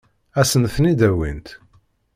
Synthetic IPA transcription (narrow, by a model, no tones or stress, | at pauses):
æsənθnid̪æwḭnt̪